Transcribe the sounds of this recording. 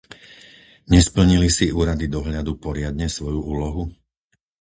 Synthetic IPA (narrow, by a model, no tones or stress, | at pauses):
ɲɛspl̩ɲilisiuːɾad̪id̪ɔɦʎad̪upɔɾɪad̪ɲɛsʋɔjuuːlɔɦu